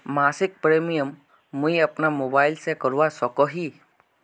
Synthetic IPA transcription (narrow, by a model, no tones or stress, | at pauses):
masik̚pɾemijɔmː | ũjapnamobajlsekɔɾuwasɔkɔɦi